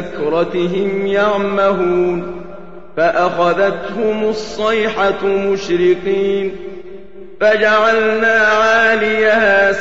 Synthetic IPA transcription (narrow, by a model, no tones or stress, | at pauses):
kɾˤɑt̪ɪɦɪmjaʕmaɦuːn | faʔaxaðat̪hʊmʊsˤːɑjħamʊʃɾɪqiːn | fad͡ʒaʕalnaːʕaːlɪjahaː